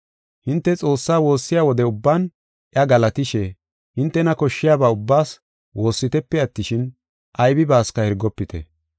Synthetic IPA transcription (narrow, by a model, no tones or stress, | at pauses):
hɪnt̪ːɛt͡sʼo̞ːsːaːwo̞ːsːɪjaːwɔd̪ɛʊbːaːn | ʔjɐɡɐlɐt̪ɪʃɛ | hɪnt̪ːɛnɐkɔʃːɪjaːbaːʊbːaːs | wo̞ːsːɪt̪ɛpːɛɐt̪ːɪʃɪn | ʔɐjbɪbaːskɐhɛɾɡɔpːɪt̪ɛ̰